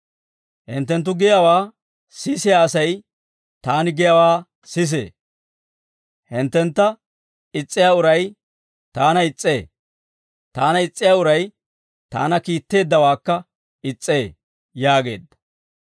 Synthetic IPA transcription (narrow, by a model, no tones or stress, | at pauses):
hɪ̰nt̪ːɛnt̪̬ːʊɡɪjɐwaː | sɪsɪjaːsɐj | t̪aːnɪɡɪjɐwaː | sɪs̬ḛː | hɪnt̪ːɛnt̪ːɐ | ɪt͡sʼːɪjaːʊɾɐj | t̪aːnɐɪt͡sʼːe̞ː | t̪aːnɐɪt͡sʼːɪjaːʊɾɐj | t̪a̰ːnɐkiːt̪ːe̞ːd̪ːɐwaːkːɐ | ɪt͡sʼːeː | jaːɡe̞̰ːd̪ːɐ̥